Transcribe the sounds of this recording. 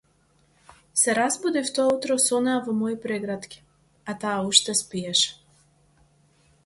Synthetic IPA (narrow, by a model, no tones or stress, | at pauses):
sɛɾazbud̪ift̪ɔaut̪ɾɔsɔnaavɔmɔipɾɛɡɾat̪kʲi̥ | at̪aːuʃt̪ɛspiɛʃɛ̥